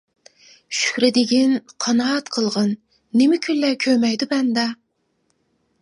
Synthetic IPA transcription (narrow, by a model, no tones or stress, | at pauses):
ʃy̥hɾɪd̪ɪɡʲinqʰɑnɑt̪qʰəlˠʁɑnː | ɪmɪkʲʰynːɛkʲʰømɛjd̪ubɛnd̪ɑ